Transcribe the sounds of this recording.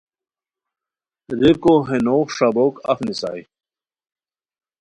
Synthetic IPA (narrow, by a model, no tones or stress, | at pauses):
ɾekoɦenoːkʂabokɐ̰fnisa̰ːj